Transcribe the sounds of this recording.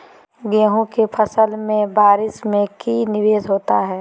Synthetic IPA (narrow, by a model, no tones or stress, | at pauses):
ɡeːɦõkepʰəsəlmẽbaːɾɪsmẽkinɪʋeːzɦoːt̪aɦɛː